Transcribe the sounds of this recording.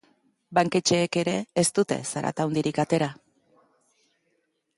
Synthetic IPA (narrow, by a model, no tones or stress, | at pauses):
baŋke̞t͡ʃe̞ːke̞ɾe̞ːst̪ut̪e̞̰saɾa̰t̪awnd̪iɾikat̪e̞ɾa